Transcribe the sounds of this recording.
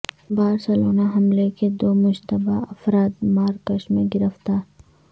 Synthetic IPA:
baːɾsɐloːnaɦɐmleked̪oːmʊd͡ʒt̪əba̰ɐfɾaːt̪maːɾkɐʃmẽɡɪɾəft̪aː

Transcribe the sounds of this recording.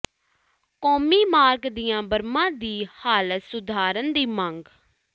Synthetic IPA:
kɔːmiːmaːɾɡd̪ijãːbəɾmãːd̪iːhaːlət̪sʊd̪aːɾənd̪iːməŋɡ

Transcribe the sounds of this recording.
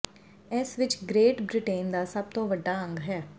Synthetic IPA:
ɛsʋɪt͡ʃɡɾeːʈbɾɪʈeːnd̪aːsəb̚t̪õːʋəɖːaːə̃ŋɡɦɛː

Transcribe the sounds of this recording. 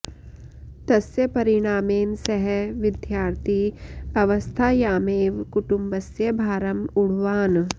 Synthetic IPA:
t̪ɐsjɐpɐɾɪɽ̃aːmeːmsɐɦɛʋɪd̪ʱjaːɾt̪ʰiɐʋɐst̪ʰaːjaːmeːʋkʊʈʊmbɐsjɐbʱaːɾɐmʊɽ̤ʋaːn

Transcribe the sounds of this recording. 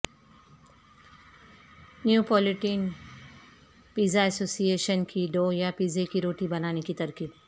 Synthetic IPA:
njupɔːlɪʈiːn | piːzaɛsoːsieːʃənkiɖoːjapiːzekiɾoːʈibɐnaːnekit̪ɐɾkiːb

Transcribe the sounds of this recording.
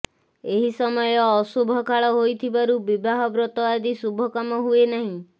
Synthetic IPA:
eɦisɔmɔjɔːsubʱɔkʰaɭɔɦojt̪ʰibaɾubibaɦɔbɾɔt̪ɔad̪isubʱɔkamɔɦuenaɦĩ

